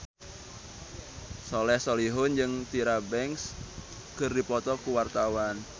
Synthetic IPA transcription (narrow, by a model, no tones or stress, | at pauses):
sɔlɛhsoliɦʊnd͡ʒɨŋt̪iɾabɛŋs | kərdipɔt̪ɔkuwart̪awan